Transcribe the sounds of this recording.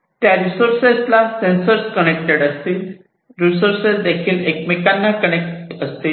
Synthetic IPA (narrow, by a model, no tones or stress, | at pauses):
t̪jaɾisoɾseslasensəɾskənekʈeɽəst̪iː | ɾisoɾsesd̪ekʰiːlekmekanːakənek̚ʈəst̪iː